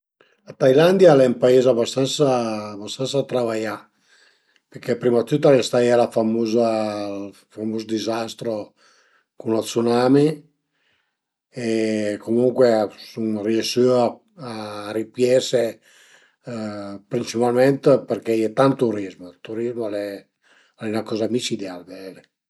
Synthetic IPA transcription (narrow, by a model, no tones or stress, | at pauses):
at̪ajland̪jalɛmpaezabast̪ansaːbast̪ansat̪ɾavaja | peɾkɛpɾimat̪ːut̪ːalest̪ajɛlafamuza | famuzd̪izast̪ɾo | kunlat̪sunami | ekomuŋkwesuŋriesy | aɾipjɛse | pɾint͡ʃipalmɛnt̪peɾkɛjɛt̪ant̪uɾizmot̪uɾizmolɛ | ɛunakɔːzamit͡ʃid̪ɛalbɛle